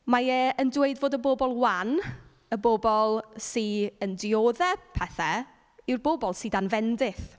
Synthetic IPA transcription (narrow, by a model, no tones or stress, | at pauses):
majɛəndweɨdvoːdəboːbɔlˠwan | əboːbɔlˠsiəndɪoːðɛpʰɛθɛ | ɪrbobɔlˠsidanvɛndɪθ